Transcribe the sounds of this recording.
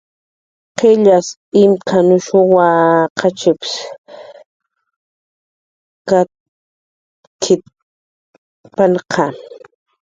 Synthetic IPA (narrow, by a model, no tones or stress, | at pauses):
qeʎas | ɪmkʰanʊʃʊwaqʰat͡ʃɪpɪ̥s | ka | kʰɪ | panqʰa